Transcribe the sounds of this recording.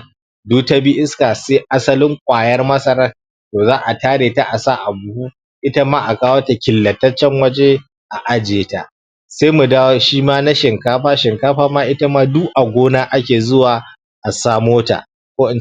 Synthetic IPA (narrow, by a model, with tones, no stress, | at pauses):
duː˦ta˦bi˦ʔɪ˦skaː˨seː˦ʔa˦sɐ˦lɪ˦ŋkʷʼaː˨jɐ˦rmɐ˦sɐ˦ɾa˦ | toː˨zaː˦ʔa˨taː˦ɽeː˨ta˦ʔa˨saː˦ʔa˨bu˦hu˦ | ʔɪ˦ta˦maː˦ʔa˨kaː˦woː˦ta˨kʲɪ˨lːɐ˨tɐ˦t͡ʃːɛ˦ŋwɐ˦d͡ʒe˦ | ʔa˨ʔa˨d͡ʒeː˨ta̰˨ | seː˦mu˨daː˦wo˦ʃiː˦maː˦na˦ʃɪ˨ŋkaː˦ɸaː˦ʃɪ˨ŋkaː˦ɸaː˦maː˦ʔɪ˦ta˦maː˦du˦ʔa˨ɡʷoː˦naː˦ʔa˦kʲeː˨zʊ˦waː˨ | ʔa˨saː˦moː˦ta̰˨ | kʷoː˦ɪ˨n